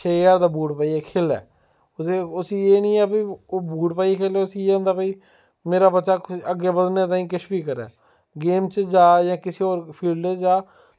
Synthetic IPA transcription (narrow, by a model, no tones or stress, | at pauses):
t͡ʃʰeːjaːɾd̪aːbuːʈpaːiːɛːkʰeːlɛ̰ː | ʊseʊsiːeːnĩːɛːpiːoːbuːʈpaːiekʰeːlɛːʊsiːeːʊ̃nd̪aːpəiː | meːɾaːbəːʃaːəɡeːbəd̪neːt̪aːĩːkɪʃbiːkəɾɛ̰ː | ɡeːmt͡ʃd͡ʒaːjãːkɪseːoːɾpʰiːlɖd͡ʒaː